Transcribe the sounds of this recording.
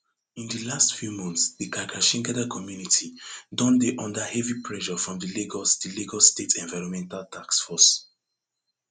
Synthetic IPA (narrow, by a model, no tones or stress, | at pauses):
ĩndəlastfjumɔ̃ntsdikakaʃĩŋɡadakʰɔmjunitʰidɔ̃ndeʔɔ̃ndahɛvipʰɹɛʃɔfɹɔ̃mdəliɡɔsdiliɡɔlstetʰɛ̃nvaɪɹɔ̃nmɛ̃ntaltʰaksfɔs